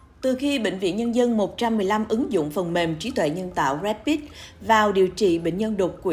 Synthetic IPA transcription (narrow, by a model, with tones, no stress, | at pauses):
t̪ɨ˨˩xi˧ɓḛ˧˨ŋ̟vḭ˧ənɲə˧nzə˧nmo˨˩t̚t͡ɕa˧mːɨ˨˩əjla˧mʔɨ˨˦ŋzʊ̰˧˨ŋ͡mfə˨˩nme˨˩mt͡ɕi˨˦t̪wḛ˧˨ɲə˧nt̪a̰ː˧˨wzɛ˦˥ppi˦˥t̚vaː˨˩wɗi˨˩əwt͡ɕḭ˧˨ɓḛ˧˨ŋ̟ɲə˧nɗo˨˩t̚kwi˧˩